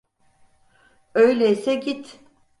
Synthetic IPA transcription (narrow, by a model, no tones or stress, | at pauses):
øjlʲɛisɛɟit̪